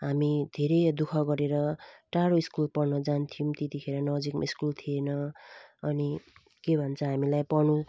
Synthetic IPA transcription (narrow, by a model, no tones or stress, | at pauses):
ɦamid̪ʱeɾʌjd̪ukʰʌɡʌɾeɾʌʈaɽoiskulpʌrnʌd͡zant̪ʰijũt̪et̪ikʰeɾʌnʌd͡zikḭskult̪ʰienʌʌni | kebʱʌnt͡sʰʌɦamilajpʌnũ